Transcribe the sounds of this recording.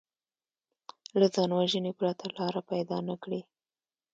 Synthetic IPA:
lazɑnwaʒənepɾat̪ʰalɑɾapajd̪ɑnakɽi

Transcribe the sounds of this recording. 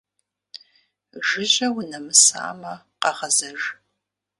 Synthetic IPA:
ʒɨʑɐwʊnɐmɨsa̰ːmɐ | qɑʁɐzɐʒ

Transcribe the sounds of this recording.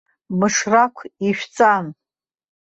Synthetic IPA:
mɨʂrakʷʰiʃᶣt͡sʼam

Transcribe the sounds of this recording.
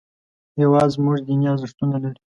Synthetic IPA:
jawɑzmuʐd̪injɑzʂt̪unalaɽi

